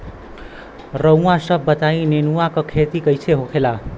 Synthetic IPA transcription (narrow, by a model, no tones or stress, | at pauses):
rʌw̃wasʌbːʌt̪aj̃nenuwakokʰet̪ikʌjt͡sʰeɦokʰela